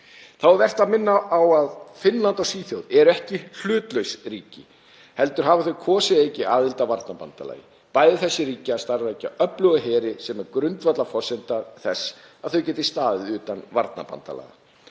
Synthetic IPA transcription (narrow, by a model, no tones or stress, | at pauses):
θawvɛr̥t̪aðmɪnːaʔawaðfɪnlant̪awsiːθjowðɛɾʏɛhcɪl̥ʏːt̪lœɥsriːcɪ | hɛlt̪ʏɾ̥ɦaːvaθœɥkʰɔːsɪejcɪʔaːðɪlt̪avaɾt̪napant̪ala̰ːjɪ | paːjðɪθɛsːɪɾiːcɪaðst̪aɾvɛjcaʔœplœɣɪɦɛːɾɪsɛmɛɾkɾʏnt̪vat̪lafɔr̥sɛnt̪aθɛsaðθœɥcɛːt̪ɪ̥st̪aːðɪʏːt̪anva̰ɾt̪na̰pa̰nt̪ala̰ːɣa̰